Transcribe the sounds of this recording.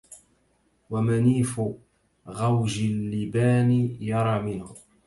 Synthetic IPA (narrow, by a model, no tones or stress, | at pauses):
wamaniːfʊ | ɣawʒɪlːɪbaːnɪjɑɾˤɑːmɪnhʊ